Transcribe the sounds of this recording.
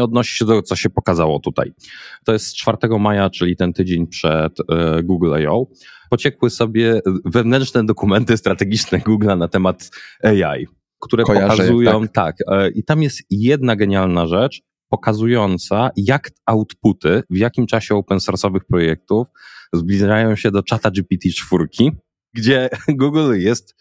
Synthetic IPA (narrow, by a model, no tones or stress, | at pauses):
ɔd̪nɔɕi̥ɕɛd̪ɛɡɔt̪sɔɕɛpɔkazawɔ̰t̪ut̪a̰jt̪ɔjɛst̪t͡ʂfaɾt̪ɛɡɔmajat͡ʂɘlʲit̪ɛnt̪ɘd͡ʑeɲpʂɛt̪ɡuɡlɛ̰jɔ̰w | pɔt͡ɕɛkwɘsɔbʲjɛvɛvnɛnt͡ʂnɛd̪ɔkumɛnt̪ɘst̪ɾat̪ɛɡʲit͡ʂnɛɡuɡlanat̪ɛmat̪ɛja̰j | kt̪uɾɛpɔkazujɔ̃w̃t̪akʔit̪amjɛst̪jɛd̪naɡɛɲalnaʐɛt͡ʂ | pɔkazujɔnt̪sajakawt̪put̪ɘvjakʲimt͡ʂaɕɛɔwpɛnsɔɾsɔvɘxpɾɔjɛk̚t̪ufzblʲiʐajɔ̃w̃ɕɛd̪ɔt͡ʂat̪ad͡ʐipʲit̪ʲit͡ʂfuɾkʲi | ɡd͡ʑɛɡuɡljɛst̪